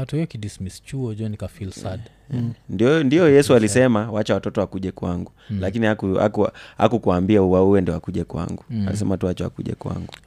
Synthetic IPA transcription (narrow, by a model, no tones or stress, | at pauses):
atuhijɔkidismist͡ʃuɔd͡ʒɔnikafilsad | ndindiɔjɛsualisɛmawat͡ʃɛwatɔtɔwakuʄɛkwaŋɡulakinihakua̰kuha̰kukuwaːmbiauauwɛndiɔakuʄɛkwa̰ŋɡua̰lisɛmatuwat͡ʃɛwa̰kṵʄɛ̰kwa̰ŋɡu